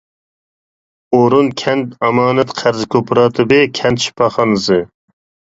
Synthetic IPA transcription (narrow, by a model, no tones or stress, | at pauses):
oɾunkʲʰɛnt̪ɑmɑːnɛt̪qʰæɾzkʲʰopɾɑːt̪ʰɨbɨkʲʰɛnt̪ʃi̥pʰɑχɑnɨsɨ